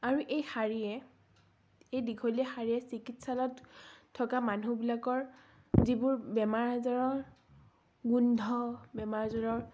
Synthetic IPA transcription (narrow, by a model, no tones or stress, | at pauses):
aɹuʔejxaɹiɛ | ejdikʰɔliɛxaɹiɛsikitsalɔttʰːɔkamanubilakɔɹ | zibʊɹbɛmaɹɦazaɹɔɹ | ɡundʱɔbɛmaɹzaɹɔɹ